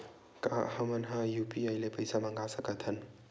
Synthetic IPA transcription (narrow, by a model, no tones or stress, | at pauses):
kahɐmɐnɦɐjupiajlepɐjsamɐŋɡasɐkɐt̪ʰɐn